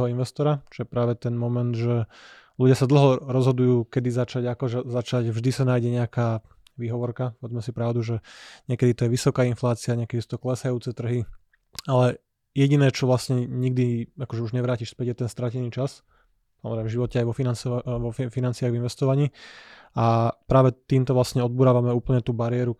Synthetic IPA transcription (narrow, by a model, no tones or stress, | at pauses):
ɦɔinʋɛst̪ɔɾat͡ʃɔjɛpɾaːʋɛt̪ɛnmɔmɛnd̪ʒɛ | luɟɪasad̪l̩ɦɔɾɔzɦɔd̪ujuːkɛd̪izat͡ʃaɟakɔʒɛzat͡ʃaɟvʒd̪isanaːjɟɛɲɛakaː | ʋiɦɔʋɔɾkapɔʋɛd͡zmɛsipɾaʊd̪uʒɛɲɪɛkɛd̪it̪ɔjɛʋisɔkaːinflaːt͡siaɲɛkɛd̪isut̪ɔklɛsajuːt͡sɛt̪r̩ɦi | alɛ | jɛɟinɛːt͡ʃɔʋlasɲɛɲiɡ̚d̪iakɔʒɛuʒɲɛʋɾaːciʃspɛɟjɛt̪ɛnst̪ɾacɛniːt͡ʃas | samɔzɾɛɪmɛ̃ʒiʋɔcɛajʋɔfinansɔʋɔffinant͡sɪaɣvʋinʋɛst̪ɔʋaɲiː | apɾaːʋɛt̪iːmt̪ɔʋlasɲɛɔd̪̚buːɾaːʋamɛuːpl̩ɲɛt̪uːbaɾijɛɾu